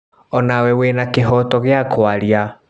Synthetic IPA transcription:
ɔnawɛwenakeɦɔtɔɣeakʰwaɾia

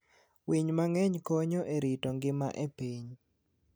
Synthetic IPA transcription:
wiɲmaŋɛɲkoɲoʔeɾitɔŋɡɪma̰ʔepiɲ

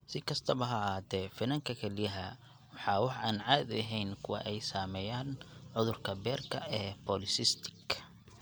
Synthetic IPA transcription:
sɪkʰɐst̪ʰɐβɐɦɐɦaːd̪ɛːfɪnɐŋkʰɐkʰɛlɪjɐɦɐ | wɑħɑːwɑħʔaːnʕɑːd̪ɐɦɛjnkʰʊwɑ̰ʔɛjsaːmɛːjaːnʕʊðʊrkʰɐbɛːrkʰɐʔɛːpʰɔlɪsɪst̪ʰɪ̥ɡ

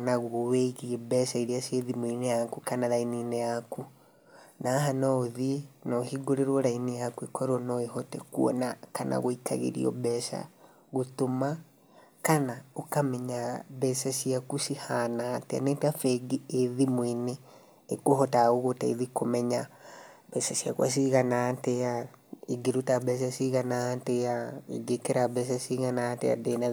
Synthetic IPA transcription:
naɣooweɣiebɛʃaiɾiaseðimwinejakukanaɾaininejaku | naɦanaoðienɔhiɡoɾeɾwɔɾainijakuekʰɔɾɔnɔehɔtɛkṵɔ̰nakanʔa̰ɣoika̰ɣḛɾḭɔ̰bɛsa̰ | ɣotoma | kanaokamɛɲaβɛːsasiakusihanaːtɛa̰nɛtafɛɡieðimweneː | koɦɔtaoɣotaḛðikomɛɲabɛsasia̰kwa̰s̬iɣanaːtɛaiɡiɾutabɛs̬asiɣanateaḭɡekeɾabɛs̬asiɣanatea̰dena

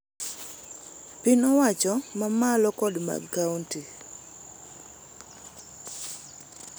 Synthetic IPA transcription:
pɪnɔwat͡ʃɔmamalɔkɔdma̰kawnti

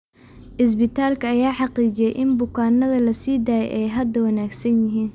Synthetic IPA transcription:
ʔɪs̬bɪt̪ʰaːlkʰɐːjaːħɑqiːt͡ʃɪjɛjʔɪnbʊkʰaːnːɐðɐlɐsiːd̪aːjɛ̰jʔɛjɦɐd̪ɐwɐnaːɡsɐnjɪɦiːn

